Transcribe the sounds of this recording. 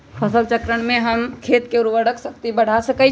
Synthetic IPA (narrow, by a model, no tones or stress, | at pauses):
pʰəsəlt͡ʃəkɾəɽ̃mẽɦɐmkʰeːt̪keʊɾuʋəɽəksɐkt̪ibɐɽ̤asəkə